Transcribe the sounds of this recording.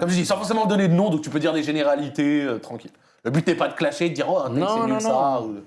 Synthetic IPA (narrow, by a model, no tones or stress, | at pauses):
kɔmʒəd̪isɑ̃fɔʁs̬emɑ̃d̪ɔned̪ənɔ̃d̪ɔ̃k̚t̪y̥pød̪iʁd̪eʒeneʁalit̪eøt̪χɑ̃kʲilː | əbyt̪nɛpad̪əklaʃed̪əd̪iʁɔɛ̃t̪ssau